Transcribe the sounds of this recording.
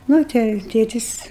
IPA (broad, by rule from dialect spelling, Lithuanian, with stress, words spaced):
ˈnʊ tʲɛ jɛʊ ˈtʲeːtʲɪs